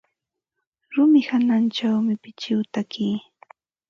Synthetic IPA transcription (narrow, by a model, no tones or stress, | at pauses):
ɾʊmɪhanant͡ʃawmɪpɪt͡ʃɪwt̪akiː